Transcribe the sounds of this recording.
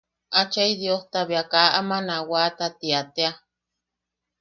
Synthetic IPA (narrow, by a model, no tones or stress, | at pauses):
ʔat͡ʃaid̪joht̪aβiakaʔamanawat̪at̪iat̪ea